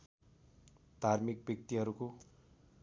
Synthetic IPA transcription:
d̪ʱarmik̚bjʌk̚t̪iɦʌɾuko

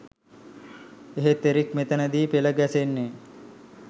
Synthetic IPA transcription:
eɦet̪ːeɾikmet̪ənəd̪iːpeləɡæsenːe

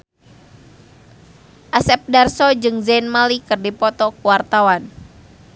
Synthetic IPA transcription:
ʔasɛp̚darsɔd͡ʒɨŋzanmalikɨrdipɔt̪ɔkuwart̪awan

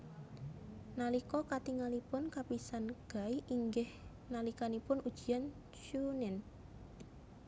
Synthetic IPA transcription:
nalikɔkat̪iŋalipʊnkapisanɡ̥a̤iʔiŋɡɪh | nalikanipʊnud̥ʒ̥i̤an | t͡ʃunɪn

